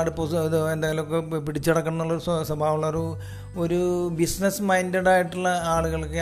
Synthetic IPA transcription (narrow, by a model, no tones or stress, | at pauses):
ɽuposðend̪aːjɐlmokːepiɽit͡ɕːɐɽɐkːɐɳɐnːuɭːɐoɾusɐsɐbʱaːʋuɭːɐɾu | o̞ɾubisnɐsmɐjndeɽaːjiʈːuɭːɐaːɭuɣɐɭkːe